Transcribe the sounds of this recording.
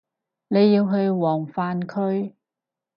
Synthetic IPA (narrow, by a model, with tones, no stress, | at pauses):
ne˨˧jːiː˧wɦɵ˧ɥwɔː˨˩ŋfaː˧nkʰɵ˧ɥ